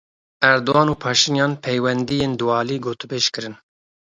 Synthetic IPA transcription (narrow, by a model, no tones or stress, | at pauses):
æɾd̪oɑːnuːpʰɑːʃinjɑːnpʰɛjwɛnd̪ijeːnd̪uwɑːliːɡoːt̪ɨbeːʃkɨɾɨn